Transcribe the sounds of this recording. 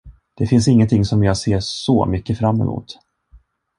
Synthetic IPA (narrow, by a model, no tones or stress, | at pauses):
d̪̥ɛfɪns̬ɪŋːənt̪ʰɪŋːsɔmjɑːseːʂɔmʏkːəfɾamːɛ̰mʔṵːt̪